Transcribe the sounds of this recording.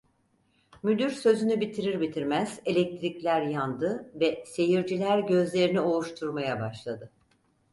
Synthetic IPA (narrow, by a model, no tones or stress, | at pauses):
myd̪yɾsø̞zynybit̪ʰiɾiɾbit̪ʰiɾmæz̥elʲɛc̚t̪ʰɾiclʲæɾjand̪ɯvɛse̞jiɾd͡ʒilʲæɾɟø̞zlʲe̞ɾinio̞uʃt̪ʰuɾmajabaʃlˠad̪ɯ